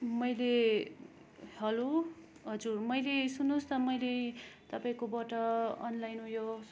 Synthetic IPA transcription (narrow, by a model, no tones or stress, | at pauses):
mʌjle | hʌlo | ɦʌd͡zurmʌjlesunːost̪ʌmʌjlet̪ʌpãĩkobʌʈʌʌnlajnũjo